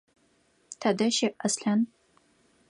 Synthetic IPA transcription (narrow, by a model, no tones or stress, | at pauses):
tʰɐdɐʃiʔɐsɬɐn